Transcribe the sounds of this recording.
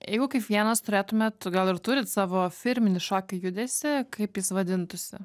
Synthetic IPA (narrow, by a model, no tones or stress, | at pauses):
jɛ̰ɪɡʊkɐɪpʋʲiɛnɐst̪ʊɾʲeːt̪ʊmʲeːt̪ɡɐlˠɪɾt̪ʊɾʲɪt̪sɑːʋoːfʲɪɾʲmʲɪnʲɪʃɑːkʲɐjʊd̪ʲesʲɪkɐɪpjɪsʋɐd̪ʲɪnt̪ʊsʲɪ